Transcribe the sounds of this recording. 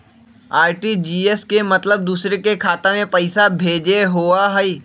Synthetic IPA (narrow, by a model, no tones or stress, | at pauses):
aːɾʈid͡ʒiːeskemɐt̪ləb̚d̪uːsɾekekʰaːt̪emẽpɐɪsabʱeːd͡ʒeɦoːaɦɛi